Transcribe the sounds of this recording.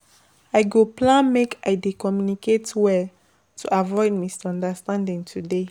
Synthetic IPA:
aɪɡoplãnmekaɪdekɔmjuniketwɛ | tʰuʔavɔɪd̚misɔ̃ndastãndĩŋtʰude

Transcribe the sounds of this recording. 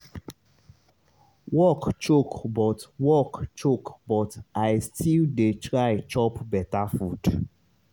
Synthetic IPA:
wɔkt͡ʃokbɔtwɔkt͡ʃokbɔtajstʰildetʰɹaɪt͡ʃɔpbɛtafud̥

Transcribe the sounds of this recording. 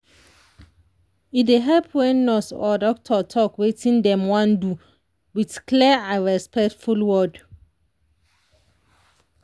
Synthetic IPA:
ideɦɛlpʰwɛ̃nːɔsɔdɔk̚tʰɔtʰɔkwetʰĩndɛ̃mwãndu | witkʰlɛãɹɛspɛktfulwɔd

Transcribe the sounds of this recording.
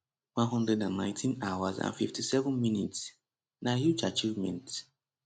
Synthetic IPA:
wãnɦɔ̃ndɹɛdãnːãɪ̃ntʰĩnawazã̰nfiftisɛvə̃nminits | nahjud͡ʒat͡ʃivmɛ̃nt

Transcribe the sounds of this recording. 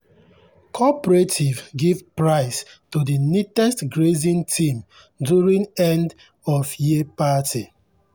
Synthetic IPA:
kʰɔpɹetʰivɡivpɹaɪstudinitɛstɡɹezĩntʰĩm | duɹĩŋɛ̃nd | ɔfjiəpati

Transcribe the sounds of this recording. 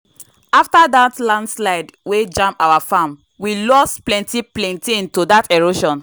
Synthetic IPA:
aftadatlãndslaɪdwed͡ʒãmpawafãm | wilɔsplɛ̃ntiplɛ̃ntiĩntodatɛɹoʃɔ̃n

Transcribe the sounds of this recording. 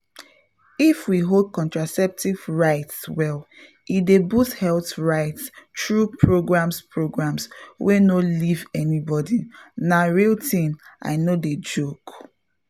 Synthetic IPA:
ifwiɦod̚kɔ̃ntɹasɛp̚tivɹaɪtswɛl | idebushɛltɹaɪtstɹupʰɹoɡɹãmspʰɹoɡɹãmswʔenolivɛnibɔdinaɹiltʰĩna̰ɪnoded͡ʒok

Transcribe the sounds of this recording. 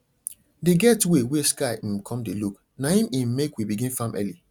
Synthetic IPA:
deɡɛtweweskaɪ̃m̩kʰɔ̃mdeluk | nahĩmĩmmekwibiɡĩnfãmʔɛ̰li

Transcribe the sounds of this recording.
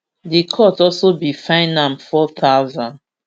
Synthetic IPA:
dikʰɔtɔlsobifãɪ̃nãmfɔθawzãnd

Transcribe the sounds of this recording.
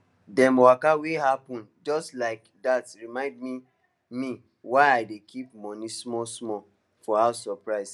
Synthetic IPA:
dɛ̃nmowakawehapɔ̃nd͡ʒɔstlaɪk | datɹimãɪ̃ndmi | mĩ | waɪaɪdekʰip̚mɔ̃nĩsmɔsmɔ | fɔawsɔpɹaɪs

